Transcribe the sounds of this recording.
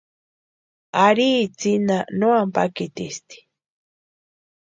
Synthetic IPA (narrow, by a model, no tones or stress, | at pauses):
aɾiːt͡sinanoampakit̪ist̪i̥